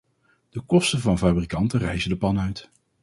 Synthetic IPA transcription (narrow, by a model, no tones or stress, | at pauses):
d̥əkɔstəvɑnfaːbrikɑntərɛjzədəpɑnœɥt